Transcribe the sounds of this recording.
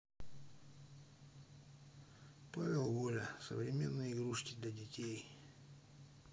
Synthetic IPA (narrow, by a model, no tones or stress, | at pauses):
pavʲɪlˠvolʲəsə̰vɾʲɪmʲe̞̰nːɨjɪɡɾuʂkʲɪd̪lʲɐdʲɪtʲej